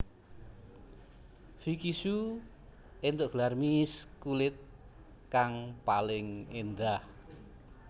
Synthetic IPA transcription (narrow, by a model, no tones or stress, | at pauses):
fikisu | ent̪oʔɡ̥əlarmiskulɪt̪̚ | kaŋpalɪŋend̪ah